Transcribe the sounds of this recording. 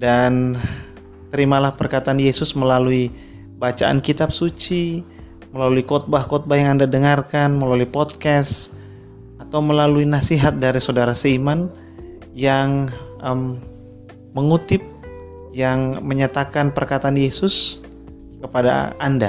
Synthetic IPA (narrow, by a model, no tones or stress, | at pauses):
dan | t̪əɾimalahpərkat̪aːnjesʊsməlalui | bat͡ʃaʔa̰nkit̪ap̚sut͡ʃi | məlaluikɔt̪̚bakɔt̪̚bajaŋandadəŋarkanməlaluipɔt̪̚kɛs | at̪awməlaluinasiɦat̪̚daɾisawdaɾasəiman | jaŋəmː | əŋut̪ɪp̚ | jaŋməɲat̪akanpərkat̪aːnjesʊs | kəpada̰a̰nda̰